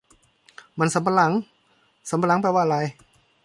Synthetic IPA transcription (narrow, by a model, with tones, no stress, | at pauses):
ma˧˨nsa˨˦mpa˧la˩˦ŋ | sa˨˦mpa˧la˦ŋp̬a˧waː˧˨ʔɾa˧j